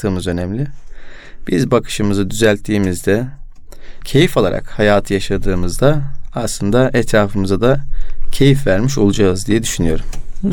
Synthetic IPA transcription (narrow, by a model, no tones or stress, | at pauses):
ɯːmɯzø̞nɛmlʲɪ | b̥izbakʰɯ̥ʃɯmɯzɯd̪yzælʲt̪ʰːiːmizd̪ɛ | cʰe̞jifolˠa̰ɾa̰khajaːt̪ʰɯjaʃad̪ɯːmɯzd̪aːslˠɯnd̪aʔɛt̪ɾaːfɯmɯzad̪acʰe̞jifvæɾmiʃo̞lˠud͡ʒaɯzd̪ijɛd̪yʃynyjo̞̰ɾum